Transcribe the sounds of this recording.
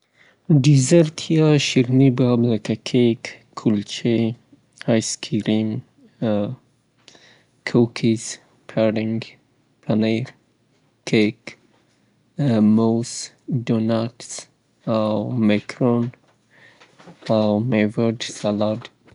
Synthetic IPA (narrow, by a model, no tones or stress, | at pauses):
dizəɾt̪ʰiaʃiɾnibabləkakʰekʰː | ult͡ʃe | hajskʰiɾim | kʰowkʰis | pʰaɾɪŋɡ | pʰaneɾ | kʰek | mos | donats | awmakʰɾon | awmevədsalad